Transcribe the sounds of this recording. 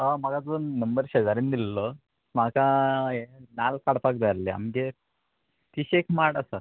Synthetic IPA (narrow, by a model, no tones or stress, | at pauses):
əmaɡad͡zonːəmbəɾɕed͡zaɾind̪ilːo | maka | nalkaɽpak̚d̪aɾlea̰mɡe | t̪iɕekʰmaʈəsə